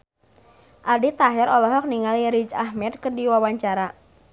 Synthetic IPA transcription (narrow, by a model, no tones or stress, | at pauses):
ʔadit̪aɦɛɾʔɔlɔɦɔk̚niŋaliɾid͡ʒahmɛd̪̚kərdiwawaɲt͡ʃaɾa